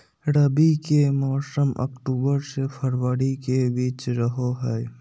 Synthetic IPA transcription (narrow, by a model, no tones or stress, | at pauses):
ɾəbikemɔːsəmə̰kʈuːbəɾsepʰəɾwəɾikebiːt͡ʃɾəɦoɦɛː